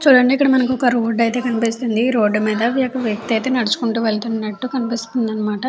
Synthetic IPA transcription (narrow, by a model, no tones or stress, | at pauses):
t͡ʃuːɽɐɳɖeikːɐɽɐmɐnɐkiɔkɐɾoːɖːɐjt̪e̞ːkɐnipist̪und̪iɾo̞ːɖːmiːd̪ɐʋjɛːkɐʋjɐk̚t̪iɐjt̪eːnɐɽit͡ʃu̥kuɳʈuːʋeɭt̪unːɐʈːukɐnipist̪und̪ɐnːɐmaːʈɐ